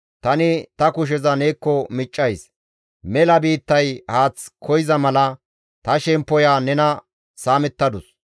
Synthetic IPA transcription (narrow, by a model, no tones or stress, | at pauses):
t̪ɐnɪt̪ɐkʊʃ̬ɛzɐneːkːɔmɪt͡ʃʼːɐjs | mɛlɐbiːt̪ːɐjhaːt͡skʰɔjɪzɐmɐlɐ | t̪ɐʃɛmpːɔjaːnɛnɐ | saːmɛt̪ːɐd̪ʊs